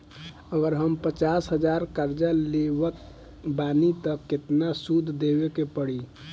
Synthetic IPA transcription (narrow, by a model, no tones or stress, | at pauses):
əɡəɾɦəmpət͡ʃasɦəd͡ʒaɾkəɾd͡ʒalebək̚ | banit̪əkːet̪nasud̪ʱd̪ebekepəɽi